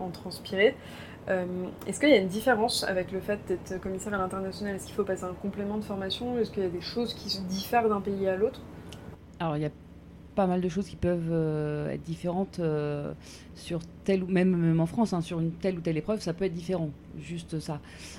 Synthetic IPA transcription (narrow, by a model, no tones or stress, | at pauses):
ɑ̃t̪χɑ̃spiʁe | ømɛskəjaynd̪ifeʁɑ̃sa̰vɛkləfɛt̪̚d̪ɛt̪χkɔmisɛʁalɛ̃t̪ɛʁnasjɔnalɛskʲi̥lfopaseɛ̃kɔ̃plemɑ̃d̪əfɔʁmasjɔ̃ɛskəljad̪eʃozkʲisəd̪ifɛʁd̪ɛ̃peialot̪χ | alɔʁilja | pamald̪əʃ̬ozkʲi̥pœvøɛ̰t̪χd̪ifeʁɑ̃t̪ø | syʁt̪ɛlumɛmmɛmɑ̃fχɑ̃sɛ̃syʁynt̪ɛlut̪ɛlepχœvsapøɛt̪̚d̪ifeʁɑ̃ | ʒyst̪sa